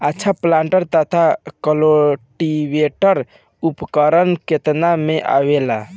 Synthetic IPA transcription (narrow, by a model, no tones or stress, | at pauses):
ətːt͡ʃʰaplãɳʈəɾt̪ət̪ʰakəloʈiweʈəɾ | upkəɾənket̪nameʔa̰wela